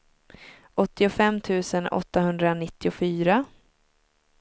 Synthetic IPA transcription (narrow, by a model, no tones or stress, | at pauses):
ʔɔt̪ːɪʊfɛmːt̪ʰʉ̟ːsənɔ̰t̪ːahɵnd̪ɾanɪt̪ːɪʊfyːɾa